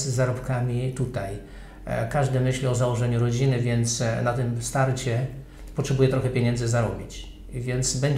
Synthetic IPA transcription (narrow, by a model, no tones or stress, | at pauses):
zzaɾɔpkamʲit̪ut̪aj | kaʐd̪ɘmɘɕlʲiɔzawɔʐɛɲuɾɔd͡ʑinɘvʲjɛnt̪snat̪ɘmfst̪aɾt͡ɕɛ | pɔtʂɛbujɛt̪ɾɔxɛpʲjeɲɛnd̪zɘzaɾɔbʲit͡ɕ | vʲjɛnt̪sbɛɲ